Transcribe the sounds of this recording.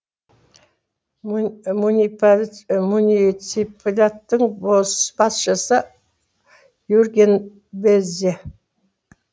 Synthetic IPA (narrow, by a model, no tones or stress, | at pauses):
munʲi | munʲisipʰlʲat̪ːəɴbosb̥ɑsʃəsə | jurɡʲen | beze